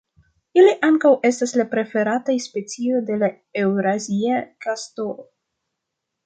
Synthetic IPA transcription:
iliʔaŋkawe̞staslapɾe̞fe̞ɾatajspe̞t͡sio̞jde̞la | e̞wɾaziakastolo

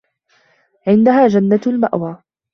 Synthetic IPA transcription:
ʕɪnd̪aɦaːd͡ʒanːalmaʔwaː

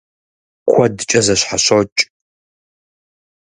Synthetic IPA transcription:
kʷʰɐdɨt͡ʃʼɐzɐɕħaɕot͡ʃʼ

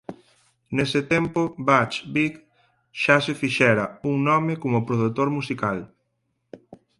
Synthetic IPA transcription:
nesɪt̪ɛmpobat͡ʃbik | ʃasefiʃɛɾɐuŋnɔmɪkomʊpɾoð̞ut̪oɾmusikal

